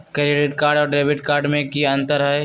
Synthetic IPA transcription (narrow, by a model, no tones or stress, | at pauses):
keɾeːɖeʈkaːɾɖɔːɾɖɾeːbɪʈkaːɾɖmẽkiɐ̃nt̪əɾɦɛe